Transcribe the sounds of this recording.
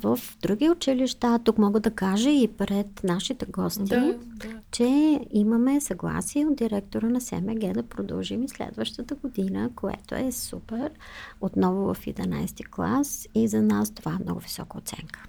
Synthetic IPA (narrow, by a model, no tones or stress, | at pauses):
vəfd̪ɾuɡʲiot͡ʃiliʃt̪at̪ukmɔɡəd̪ɐkaʒəipɾɛt̪naʃit̪ɛɡɔst̪i | t͡ʃɛiməmɛsɐɡlˠa̰siɛod̪̚d̪iɾɛk̚t̪oɾənɐsɛ̰mɛɡɛd̪ɐpɾod̪ə̰lˠʒimislɛ̰d̪vəʃt̪ət̪əɡod̪inə̰koɛ̰t̪o̰ɛsupɛɾ | ot̪nɔvʊvə̰fḭd̪ɛna̰jst̪iklˠa̰sizɐnast̪ovaɛmnɔ̰ɡʊvisɔ̰kəo̰t̪sɛ̰ŋkə̥